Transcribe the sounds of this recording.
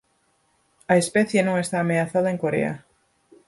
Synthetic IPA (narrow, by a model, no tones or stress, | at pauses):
ɐespɛθjenõŋest̪aːmeaθaðaeŋkoɾḛa̰